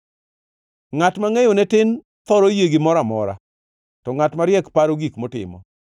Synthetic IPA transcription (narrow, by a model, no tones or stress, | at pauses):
ŋatmaŋɛjɔnɛtɪn | t̪ɔɾojeɡɪmɔɾamɔɾa̰ | tɔŋatmaɾjɛkpaɾoɡikmɔtɪ̰mɔ̰